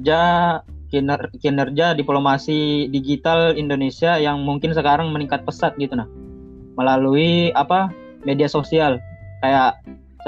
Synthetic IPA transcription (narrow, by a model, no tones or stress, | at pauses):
d͡ʒa | kinərd͡ʒadiplomasidiɡit̪alindonesiajaŋmuŋkɪns̬əkaɾaŋməniŋkat̪̚pəsat̪̚ɡit̪unah | məlaluiapa | mediasosialkajaʔ